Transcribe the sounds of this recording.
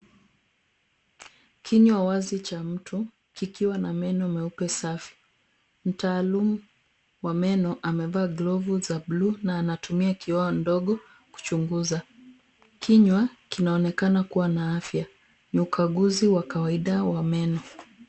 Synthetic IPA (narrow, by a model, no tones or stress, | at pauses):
kʰiɲwawazit͡ʃam̩tʰu | kikiwanamɛnɔmɛupɛsafi̥ | m̩taːlumu | wamɛnɔʔamɛvaːɡlɔvuzabluːnaːnatumiakiwaɔndɔɠɔ | ku̥t͡ʃuŋɡuza | kʰiɲwakinaɔnɛkanakuwanaafja | niukʰaɠuziwakawaiɗawamɛnɔ